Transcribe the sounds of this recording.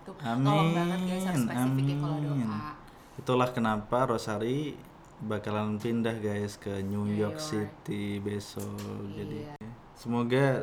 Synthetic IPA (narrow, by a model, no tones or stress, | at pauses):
ami | namin | it̪ulahkənapaɾosaɾi | bakalanpindahɡajskəɲujɔk̚sit̪ːibesɔld͡ʒadi | səmoɡa